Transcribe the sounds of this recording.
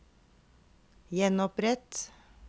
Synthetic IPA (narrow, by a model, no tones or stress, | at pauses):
jɛnɔpɾɛt̪